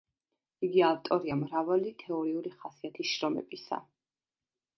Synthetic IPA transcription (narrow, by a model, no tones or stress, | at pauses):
iɡiaft̪ʼɔɾiamɾavalit̪ʰɛɔɾiuɾiχasiat̪ʰisʃɾɔmɛ̰bisa̰